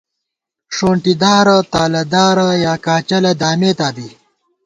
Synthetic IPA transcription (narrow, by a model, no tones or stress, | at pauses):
ʂoːɳʈid̪aːɾt̪aːlɐd̪aːɾɐjaːkaːt͡ɕɐlɐd̪aːmeːt̪aːd̪iː